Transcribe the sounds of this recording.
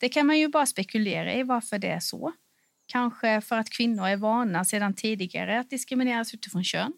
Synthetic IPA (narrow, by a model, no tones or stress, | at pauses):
d̪̥ɛkʰanmanjɵbɑːɾaspɛkɵleːɾa̰ɪvaɾfœɖɛæʂɔ̰ | kʰanɧəfœɾat̪kʰvɪnːʊɾæɾvɑːɳaseːd̪ant̪ʰiːd̪ɪɡa̰ɾəat̪̚d̪ɪskɾɪmɪneːɾasʉ̟ːt̪ɪfɾɔnɕø̰ːn